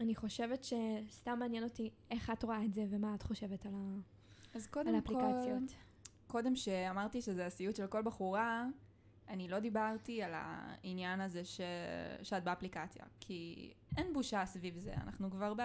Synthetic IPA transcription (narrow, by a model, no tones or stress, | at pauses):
aniχo̞ʃe̞vetʃe̞stamːeaːnjɛno̞ti | e̞χatʁoaetzevemaatχo̞ʃe̞vetala | azkodaelamːpklikaljot | ko̞demʃeamaʁtiʃezeasijutʃelko̞lbaχuʁa | anilo̞d̪ibaʁtiala̰injanazeʃeʃeat̚beaplikat͡sja̰kʰi | ʔenbuʃasvivzḛa̰naχnukvaʁb